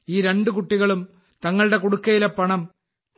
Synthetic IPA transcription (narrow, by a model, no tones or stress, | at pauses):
iːɾe̞ɳɖɨkuʈːiɣɐɭum | t̪ɐŋːɐɭɨɽe̞kuɽukːɐjilepːɐɳɐm